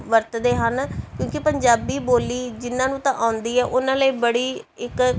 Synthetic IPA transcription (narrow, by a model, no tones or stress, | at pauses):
ʋəɾt̪d̪eːɦənkjõːkɪpəɲd͡ʒaːbiːboːliːd͡ʒɪnãːnũːt̪ãːʔãːʊ̃nd̪iːɛːʔʊnãːləiːbəɽiːɪk